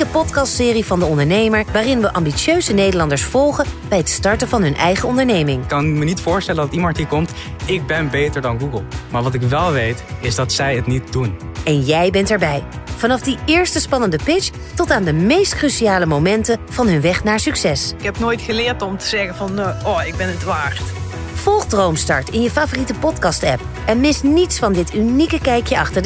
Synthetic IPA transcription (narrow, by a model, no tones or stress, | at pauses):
əpɔtkɑstsɪːrivɑndəɔndəɹnejməɹʋaːrɪnʋəʔɑmbisjøɥzənejdəlɑndəɹsfɔlˠχənb̥ɛjɦətstɑɹtəvɑnɦɵnʔɛ̰jχəɔndəɹnejmɪŋkːɑnmənitfʊːɹstɛləndɑtimɑntɦiːɹkɔmt | ɪk̚bɛnbejtəɹdɑnɡuɡəlˠmaːɹʋɑtɪkʋɛlˠʋejtɪzdɑtsɛjətnit̚dunɛnjɛjbɛntɛɹbɛjvɑnɑfdiɪːɹstəspɑnəndəpɪt͡ʃ | tɔtaːndəmejstkrysiaːləmowmɛntəv̥ɑnɦɵnʋɛχnaːɹsyksɛsɪkɦɛpnoːjtxəlɪːɹtɔmtəzɛɣənvɑnʔɔɪɡ̚bɛnədʋaːrt | fɔlˠχdrowmstɑ̰ɹtɪnjəfaːvoritəpɔtkɑstɛ̰p̚ | ɛnmɪsnitsfɑndɪtynikəkɛjkjəɑχtəɹdə